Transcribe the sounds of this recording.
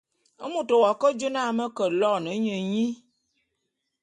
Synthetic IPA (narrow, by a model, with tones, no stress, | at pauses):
ə˦mũ˨to˨wɔ˨kə˦d͡ʒo˦nã˦˨mə˦kə˨lɔ˦˨nə˨˦ɲə˨ɲĩ˦